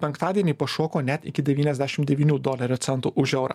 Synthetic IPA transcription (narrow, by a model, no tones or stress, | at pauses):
pʲɛŋkt̪ɑːd̪ʲiɛnʲiːpɐʃoːkoːnʲɛt̪ʲɪkʲɪd̪ʲɛʋʲiːnʲɛzʲd̪ʲæːʃʲɪmd̪ʲɛʋʲiːnʲuːd̪oːlʲɛɾʲot̪sʲɛnt̪uʔʊʒʲɛʊɾɐ̰